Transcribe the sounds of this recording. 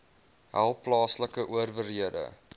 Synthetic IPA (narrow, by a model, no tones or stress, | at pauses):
ɦæ̰lˠplɑːsləkəʔuərvərɦiədə̰